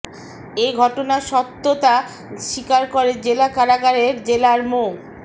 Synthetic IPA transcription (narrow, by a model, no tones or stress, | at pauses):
eɡʱɔʈonaʃɔt̪ːot̪a | ʃikaɾkoɾed͡ʑelakaɾaɡaɾeɾd͡ʑelaɾmo